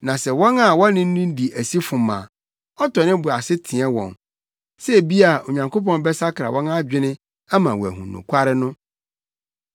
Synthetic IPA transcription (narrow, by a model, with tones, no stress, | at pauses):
nã˨sɛ˨wɔ̃˦na˨wɔ̃˦nːɪ̃˦n˦nũ˦n˦di˨ʔæ˨si˦fʊ̃˨mã̰ː˨ | ɔ˦tʰɔ˨nɪ̃˦bʊ˨a˨sɪ˦tʰĩ˨ɛ˦wɔ̰̃˨n | sɛ˦˨bi˦a˨o˨ɲã˨ŋko˦p̬ɔ̃˦n˦bɛ˦sa˦kʰɾa˨wʔɔ̃˦na˦d͡ʑᶣɪ˦nɪ̃˦ | a˦mã˨wɔ˨æ̰˨ɦṵ̃˨nʊ̰̃˨kʷʰa˦ɾɪ˦nʊ̃˦